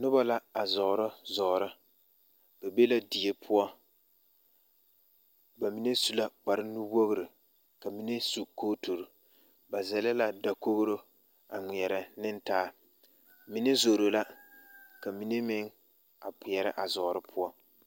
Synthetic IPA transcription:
nʊ˦ba˦la˦a˨zɔ˨ɾʊ˦zɔ˨ɾɨ˦ | b̥e˨be˦la˦di˨e˦pʰʊ˦ɔ˦ | ba˨mi˨ne˦su˦la˦k͡pa˨ɾɪ˦nu˦wo˦ɣɾɨ˨ | ka˨mi˨˦ne˦su˨ko˦to˨ɾʊ˨ | ba˨zɛ˨lɪ˦la˦da˨ko˦ɣɾo˦ | a˨ŋʷi˨ɛ˨ɾɪ˨nɪ˦ntaː˦ | mi˦ne˦zo˨ɾo˨la˦ka˨mi˦ne˦mɪ˦ŋ | a˨pʊ˨jɛ˨ɾɪ˦ʔa˨zɔː˨ɾɨ˦pʰʊ˦ɔ˦

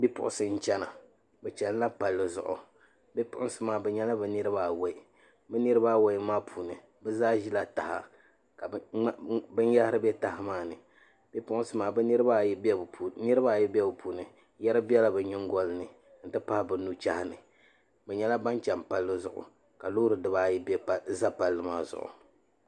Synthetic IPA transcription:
bi˦pʊ̰˦ʔʊ˦sɨ˨n̩˦˨t͡ʃɛ˦na˨ | bɛ˨t͡ʃɛ˨n˦la˦pa˨lːɨ˨zʊ̰˨ʔʊ̰˨ | bi˦pʊ˦ʔʊ˦sɨ˦maː˨bɛ˨ɲɛ˦la˦bɛ˨nɨ˦ɾɨ˦baː˦we˦ɪ˨ | bɛ˦nɨ˦ɾɨ˦baː˦we˦ɪ˦maː˦pʰuː˨nɨ˨ | bɛ˦zaː˦ʒi˦la˨ta˨ha̰˨ | ka˨˦ | bɨ˦n˦ja˦hɪ˦ɾɨ˦bɛ˦ta˦hɪ˦maː˦˨nɨ˨ | b̥e˦pʊ˦ʔʊ˦sɨ˦maː˨bɨ˦nɨ˦ɾɨ˦ba˦bnɨ˦ɾɨ˦baː˦˨jɛ˦bɛ˦bɨ˨puː˨nɨ˨ | jɛ˦ɾɨ˦bi˦ɛ˦la˦bɨ˨ɲɪ˦ŋ˦ɡɔ˦lɨ˦nɨ˨ | n̩˨tɨ˦pa˦hbɨ˨nu˦t͡ʃa˦hɪ˦nɨ̰˨ | bɛ˨ɲɛ˦la˦ba˦nt͡ʃɛ˨mpa˦lːɨ˦zʊ̰˨ʔʊ̰˨ | ka˨loː˦ɾɨ˨dɨ˨˦baː˦jɛ˦bɛ˦pza˦pa˨lːɨ˨maː˦zʊ̰˨ʔʊ̰˨

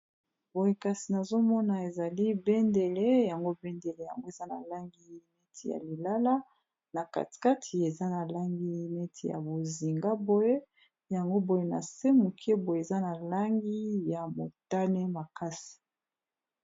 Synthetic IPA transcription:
b̥o˨je˨ka˨si˨na˨zo˦mɔ˦na˨e˨za˨li˦bɛ˦nde˨le˦ja˨ŋɡo˦bɛ˦nde˨le˨ja˨ŋɡo˦e˨za˦na̰˨la˦ŋɡi˦me˦tʰi˨ja̰˨li˨la˦la˦ | na˨ka̰˨ti̥˨ka˦tʰi˨e˨za˦na˨la˦ŋɡi˦mɛ˦tʰi˨ja̰˨bo˨zi˨ŋɡa˦bo˦je˦ | ja˨ŋɡo˦bo˨je˨na̰˨se˦mu˨kʰe˦bo˨je˨e˨za˦na˨la˦ŋɡi˦ja˨mo˨ta˦ne˦ma˨ka˦si̥˨

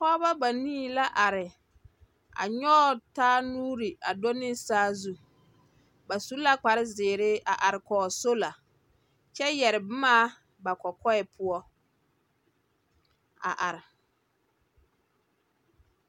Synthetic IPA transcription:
kɔ˦ba˦ba˨nĩː˦˨la˦ʔa˨ɾɪ˨ | a̰˨ɲɔː˦taː˦nuː˦ɾi˨a˨do˦nɪ˦saː˦zu˦ | ba˨su˦la˦k͡pa˨ɾɪ˦zɪː˨ɾɪ˦ʔa˨ʔa˨ɾɪ˨kɔː˨so˦la˨ | t͡ʃɛ˦jɛ˨ɾɪ˨bɪ˦maː˦ | ba˨kɔ˨kɔ˦ɛ˨pʰʊ˦ɔ˦ | a̰˨ʔa˨ɾɪ˨

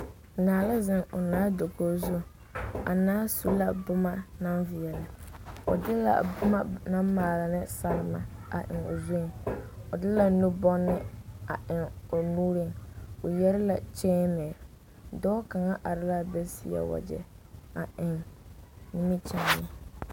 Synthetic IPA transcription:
naː˨la˦zɪ˦ŋʊ˨naː˦do˨ko˦zu˦ | a̰˨naː˦su˦la˨bʊ˦ma˦na˦nvɪ˨ɛ˨la˨ʊ̰˨dɪ˦la̰˨bʊ˦ma˦na˦mmaː˨lɪ˨nɪ˦sa˨ɾɪ˦ma̰˨a̰˨ʔɪ̰˨ŋʊ̰˨zo˦˨ʊ˨dɪ˦la˨nu˦bɔ˦nːɪ˦a˨ʔɪ˨ŋʊ˨nuː˦ɾɪ˦˨ŋʊ˨jɛ˦ɾɪ˦la˨t͡ʃɛː˦mɛ˨ | dɔː˦ka˨ŋa˦ʔa˨ɾɪ˦la˦˨bɛ˦sɪ˦ɛ̰˨wa̰˨d͡ʒɛ̰˨ | a˨ʔɪ˨ŋ | ni˦mi˦t͡ʃa˨nɪ˨

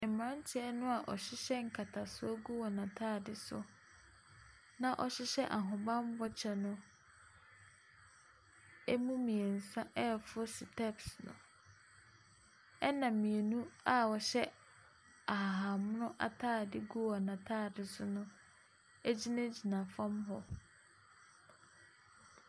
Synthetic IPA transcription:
m̩˨mã˦n˦t͡ɕʰɛ˦nʊ̃˦a˨ʔɔ˨ɕɪ˦ɕɛ˦ŋ̩˨kʰa˨tʰa˨sʊ˦ɔ˦ɡu˦wɔ˨nã˨tʰaː˦˨dɪ˨sʊ̰˦ | nã˦ʔɔ˨ɕɪ˦ɕɛ˦ʔa˨ɦʊ̃˨bã˦m˦bɔ˦t͡ɕʰɛ˨nʊ̃˦ | ɛ˦mũ˦mĩ˨e˨n̩˨sã˦ʔɛ˦˨fʊ˦sɪ˨tʰɛ˦psnʊ̰̃˨ | ɛ˦nã˨mmĩ˨e˨nũ˦a˦wɔ˨ɕɛ˦ | a˨ɦa˨mʊ̃˦nʊ̃˦ʔa̰˨tʰaː˦˨dɪ˦ɡu˦wɔ˨nã˨tʰaː˦˨dɪ˨sʊ˦nʊ̃˦ | e˦d͡ʑi˦nã˦d͡ʑi˨nã˨fã˦mɦɔ˦

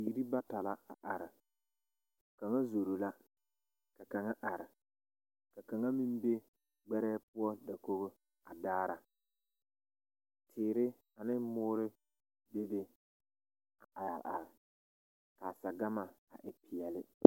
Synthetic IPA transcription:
iː˨ɾi˦ba˦ta˨la˦a̰˨ʔa˨ɾɪ˨ | ka˨ŋa˦zo˨ɾo˨la˦ | ka˨ka˨ŋa˦ʔa˨ɾɪ˨ | ka˨ka˨ŋa˦mi˦m˦be˦ | ɡ͡bɛ˦ɾɛː˦pʊ˦ɔ˦da˨ko˦ɣo˦ | a˨daː˦ɾa˨ | tʰɪː˨ɾɪ˦ | a˨nɪ˦mʊː˦ɾɪ˦ | be˦be˦ | a˨ʔa˨ja̰˨lʔa̰˨ɾɪ˨ | ka˨sa˨ɡa˦ma˨ | a̰˨ʔɪ˨pɪ˨jɛ˨lɪ˦

